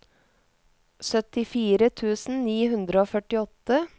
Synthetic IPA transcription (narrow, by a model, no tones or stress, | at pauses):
sœt̪ɪfiːɾət̪ʰʉːsn̩niːhʉnd̪ɾəoːfœʈɪɔt̪ːə